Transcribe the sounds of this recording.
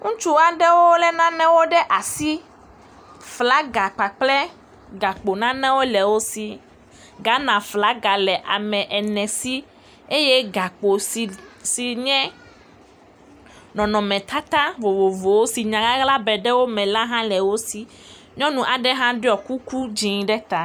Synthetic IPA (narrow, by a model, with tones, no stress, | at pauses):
ŋũ˦t͡ʃu˦a˨ɖɛ˦wo˦lɛ˦nã˦nɛ̃˦wo˦ɖɛ˦ʔa˨si˦ | fla˦ɡa˨k͡pa˨k͡plɛ˦ | ɡa˨k͡po˨nã˦nɛ̃˦wo˦lɛ˨wo˦si˨ | ɡa˦nã˨fla˦ɡa˨lɛ˨ʔa̰˨mɛ̃˨ʔɛ˨nɛ̃˨si˦ | e˦je˦ɡa˨k͡po˨si˨si˨ɲɛ̃˦ | nɔ̃˨nɔ̃˨mɛ̃˨t̪a˦t̪a˦vo˨vo˨vo˨wo˦si˨ɲã˨ɡa˦ɣla˦bɛ˨ɖɛ˦wo˦mɛ̃˨la˦ɦã˦lɛ˨wo˦si˨ | ɲɔ̃˦nũ˨ʔa˨ɖɛ˦ɦã˦ɖe˦ɔ˨ku˦ku˦d͡ʒi˨ŋ˨ɖɛ˦t̪a˨